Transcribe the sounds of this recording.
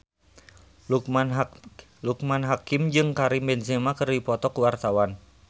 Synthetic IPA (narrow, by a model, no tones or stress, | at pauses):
luk | luk̚manɦakɪmd͡ʒɨŋkaɾimbɛnsɛmakɨrdipɔt̪ɔkuwart̪awan